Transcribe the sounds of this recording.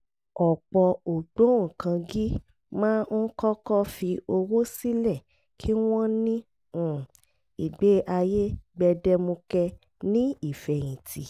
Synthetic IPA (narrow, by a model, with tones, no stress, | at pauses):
ɔ˨k͡pɔ˧o˨ɡ͡bõ˨˦˨kã˧ɡi˦ | mãː˦kɔ˦kɔ˦fi˧o˧wo˦si˦lɛ˦˨ | kʰi˦w̃ɔ̃˦nĩ˦˨ | i˨ɡ͡be˨˦ʔa˧je˦ɡ͡bɛ˧dɛ˧mõ˧kɛ˧ | nĩ˦i˦˨fɛ˨j̃ĩ˨ti˨